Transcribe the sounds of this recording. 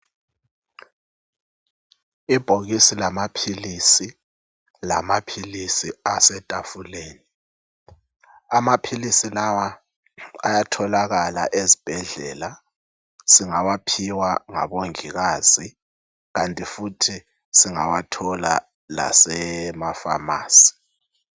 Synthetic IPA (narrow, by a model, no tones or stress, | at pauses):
ib̥ʱoɣisilamapʰilisi | la̰mapʰilisiasɛtʼafuleːni | amapʰilisilawa | a̰jatʰɔlaɣala̰ʔezib̥ʱɛɮɛ̰ːla | siŋawapʰiwaŋa̰βoŋiɣaːz̥i | ɣantʼifutʰi | siŋa̰watʰɔla̰ | la̰sɛmafa̰ma̰ːsi̥